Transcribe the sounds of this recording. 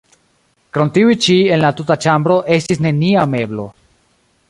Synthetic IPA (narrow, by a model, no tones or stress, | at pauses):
kɾontiujt͡ʃie̞nlatutat͡ʃambɾo̞ʔe̞stisne̞niame̞blo̞